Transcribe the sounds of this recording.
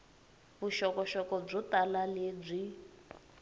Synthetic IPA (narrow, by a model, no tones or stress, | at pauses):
βuʃɔkɔʃɔkɔb͡ʐɔtalaleːb͡ʐʷi